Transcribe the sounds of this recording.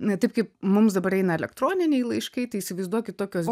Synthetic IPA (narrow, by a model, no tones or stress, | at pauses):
t̪ɐɪp̚kɐɪpmʊmsd̪ɐbɐɾɛɪnɐɛlʲɛkt̪ɾoːnʲɪnʲɛɪjlˠɐɪʃkɐɪt̪ɐɪiːsʲɪʋɐɪzd̪uɔkʲɪtt̪oːkʲoːs